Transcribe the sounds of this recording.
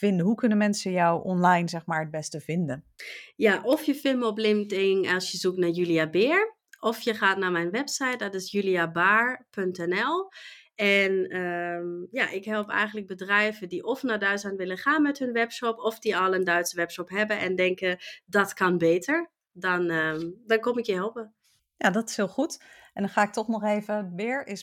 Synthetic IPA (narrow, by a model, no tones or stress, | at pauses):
v̥ɪndəɦukɵnəmɛnsəjawʔɔnlajnzɛxmaːɹəd̚bɛstəvɪndəjaʔɔfjəfɪməɔplɪmtɪŋŋɛlˠsjəzuktnajyliabɪɹ | ʔɔfjəχaːtnamɛjnʋɛpsajt̚dɔtɪsjyliabaːɹpʰøntɛnɛlˠ | ɛnəjaʔɪkɦɛlˠpɛ̰jɣəntlək̚bədrɛjvədiʔɔfnadœɥtsanʋɪləχaːnmɛtɦɵnʋɛpʃɔpɔfdiɔlˠəndœɥtsəʋɛpʃɔpɦɛbəʔɛndɛŋkədɔtkɑnbeːtəɹ | dɔnədɔnkɔmɪkjəɦɛlˠpə | jadɔtɪ̥shɪːlˠχut | ɛndɔnaːɪk̚tɔχnɔχeːvəbɪːɹɪs